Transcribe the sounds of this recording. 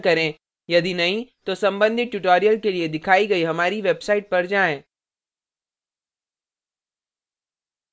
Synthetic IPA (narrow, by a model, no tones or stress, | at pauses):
kɐɾẽː | jɐd̪inɐɦĩt̪osɐ̃mbə̃nd̪ʱɪʈʊʈoːɾijəlkelied̪ɪkʰaːiɡɐiɦɐmaːɾiʋeːbsaːɪʈ̚pɐɾd͡ʒaːẽː